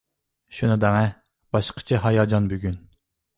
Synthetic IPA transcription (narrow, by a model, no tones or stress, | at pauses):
ʃunɨd̪ɛŋɛ | b̥ɑʃqʰə̥t͡ʃʰiɦɑjɑːd͡ʒɑnbyɡʲyn